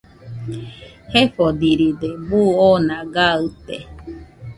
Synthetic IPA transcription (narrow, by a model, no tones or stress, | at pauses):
heɸod̪iɾid̪ebuonãɡaɨt̪ḛ